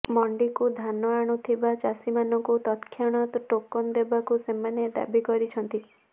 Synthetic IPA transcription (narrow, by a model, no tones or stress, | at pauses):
mɔɳɖikud̪ʱanɔaɽ̃ut̪ʰibat͡ʃasimanɔŋkut̪ɔt̪kʰjaɽ̃ɔt̪ɔʈokɔnd̪ebakusemaned̪a̰bikɔɾit͡ʃʰɔnt̪i